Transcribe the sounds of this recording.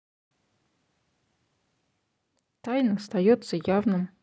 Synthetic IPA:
t̪ajnɨst̪ɐjot̪səjavnɨm

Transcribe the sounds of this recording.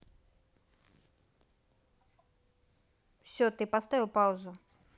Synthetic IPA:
fsʲot̪ɨpast̪avʲɪlˠpaʊzʊ

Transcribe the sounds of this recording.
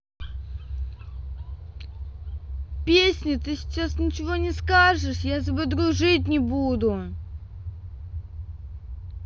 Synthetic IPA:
pʲesʲnʲɪt̪ɨsʲɪ̥t͡ɕasnʲɪt͡ɕɪvonʲɪskaʐɨʂjazʲɪbʲɨd̪ɾʊʐɨtʲnʲɪbud̪ʊ

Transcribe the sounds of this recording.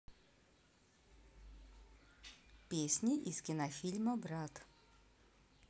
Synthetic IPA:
pʲesʲnʲiʔiskʲɪnɐfʲilʲmɐbɾat̪

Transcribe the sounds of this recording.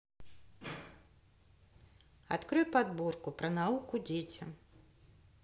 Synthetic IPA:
a̰t̪kɾɨjpad̪bɔrkʊpɾɐnaukud͡zʲet͡sʲɐ̰m

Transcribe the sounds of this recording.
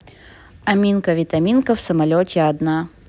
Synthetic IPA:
ɐmʲinkəvʲɪt̪ɐmʲinkəfsəmɐlʲotʲɪɐd̪na

